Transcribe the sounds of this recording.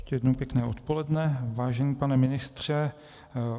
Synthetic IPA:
ʃcɛjɛdnowpjɛknɛːʔo̞t̪po̞lɛdnɛvaːʒɛɲiːpanɛmɪnɪst̪r̝̥ɛ

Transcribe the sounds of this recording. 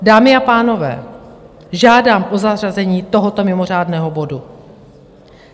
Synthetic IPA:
daːmɪapaːno̞vɛ̰ː | ʒaːdaːmʔozar̝azɛɲiːt̪o̞ɦot̪o̞mɪmo̞r̝aːdnɛːɦobo̞du

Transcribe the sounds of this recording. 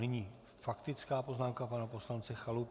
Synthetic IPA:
nɪɲiː | fakt̪ɪt͡skaːpoznaːmkapanapo̞slant͡sɛxalup

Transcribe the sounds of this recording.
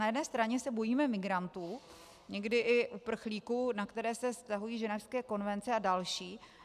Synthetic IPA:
najɛdnɛːst̪ɾaɲɛsɛbo̞jiːmɛmɪɡɾant̪uː | ɲɛɡdɪʔɪʔupr̩xliːkunakt̪ɛɾɛːsɛfst̪aɦujiːʒɛnɛfskɛːko̞nvɛnt͡sɛadalʃiː

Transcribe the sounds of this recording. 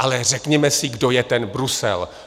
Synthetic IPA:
ʔalɛr̝ɛkɲɛmɛsɪɡdo̞jɛt̪ɛnbɾusɛ̰l

